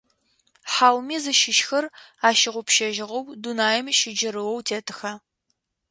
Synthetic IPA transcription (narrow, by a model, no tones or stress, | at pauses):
ħaːwmiːzɨʃɪʃxɐraːʃɪʁʷʊpʃɐʒɪʁɐwdunaːjɪmʃɪd͡ʒɪɾɨwɔwtʰeːtʰɨxɐ